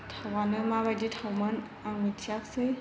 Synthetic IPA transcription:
tʰawanɯmabajditʰawmɯn | aŋmitʰijak̚sɯj

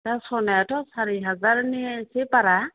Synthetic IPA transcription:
tasɔnɛatɔsaɾiɦazaɾnisepaɾa

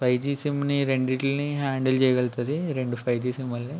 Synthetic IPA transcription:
pʰɐjt̪iːsimniɾeɳɖiʈilniɦaːɳɖelt͡ʃɛːjɐɡelt̪ɐd̪iɾe̞ɳɖupʰɐjt̪iːsimʋɐlːi

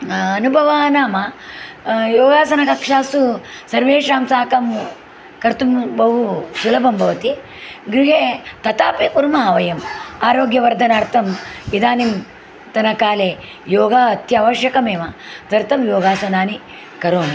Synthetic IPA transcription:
ɐnubʱɐʋaːnaːmɐ | joːɡaːsɐnɐkɐkʂaːsusɐɾʋeːʂaːmsaːkɐm | kɐɾt̪umbɐɦusulɐbʱɐmbʱɐʋɐt̪i | ɡɾiɦeːt̪ɐt̪aːpikuɾmaːʋɐjɐmaːɾoːɡjɐʋɐɾd̪ʱɐnaːɾt̪ɐmid̪aːnim | t̪ɐnɐkaːleː | joːɡaːt̪jɐːʋɐʃjɐkɐmeːʋɐd̪ɐɾt̪ɐmjoːɡaːsɐnaːni | kɐɾoːn

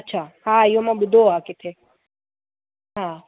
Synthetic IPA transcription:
ɐtːʃʰaːɦaːɪjomãːɓʊd̪ʱoakɪt̪ʰe | ɦãː

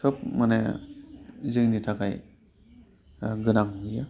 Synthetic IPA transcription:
kʰɯp̚mane | zɯŋnitʰakaj | ɡɯnaŋɦuja

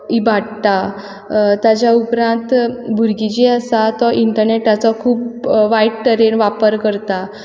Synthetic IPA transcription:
ibʱaɽt̪a | t̪jat͡ɕjaupɾãnt̪bʱuɾɡid͡ʑiasat̪ɔʔiɳʈəɾneʈːat͡sɔkʰuːpʋaiʈʈəɾenʋapəɾkəɾt̪a

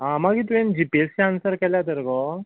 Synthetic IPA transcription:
ɦãmaɡit̪̬uʋẽnd͡ʑipest͡ɕaansəɾkɛljat̪əɾkɔ

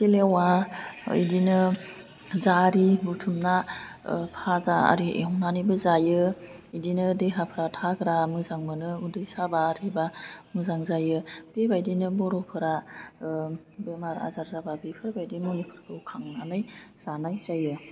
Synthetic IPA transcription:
silewa̰ | jdinɯ | zaɾibutʰumna | pʰazaa̰ɾiḛɦɔnanɯbɯzajɯ | idinɯdeɦapʰɯɾatʰaɡɾamɯzaŋmɯnɯudɯjsabaɾibamɯzaŋzajɯb̥ebajdinɯbɔɾɔpʰɯɾa | bemaɾa̰zaɾzababepʰɯɾbajdimulikʰɯɾkʰɯkʰaŋnanɯjz̥anajzajɯ

